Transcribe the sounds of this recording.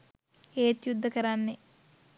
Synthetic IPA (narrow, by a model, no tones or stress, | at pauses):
eːt̪jud̪ʱːəkɐɾanːe